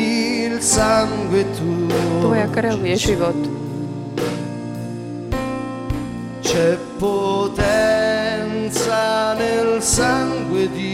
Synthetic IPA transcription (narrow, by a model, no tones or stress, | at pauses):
ilsaŋɡwet̪ːuɛakːaɾawiɛt͡ʃivɔt̪ːu | t͡ʃɛpːot̪ɛnt̪sanelsaŋɡwed̪i